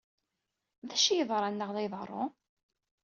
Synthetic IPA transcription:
ðæʃijəðˤɾˤɑnːəʁðɑjðˤɾˤːo̰

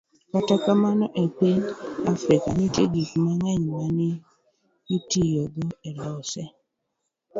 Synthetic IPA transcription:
katakamanɔʔepiɲafɾika̰nɪtḛɡikmaŋɛɲmanɪ | itijɔɡɔɛlɔsɛ

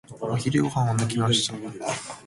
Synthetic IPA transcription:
açiɾɯokãanak̬ʲimaɕi̥t̪a

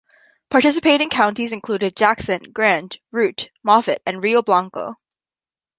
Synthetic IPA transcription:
pʰɑɹtɪs̬ɨpʰeɪɾɪ̃ŋkʰãʊ̃ntizɨ̃nkʰl̥ʉɾɨd̚d͡ʒæksɨ̃nɡɹæ̃ntɹʉtmɑfɨɾɨ̃nɹioʊblɑ̃ŋkoʊ

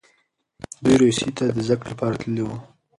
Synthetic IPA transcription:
d̪ujɾosit̪ad̪əzakɽepɑɾat̪ləlewu

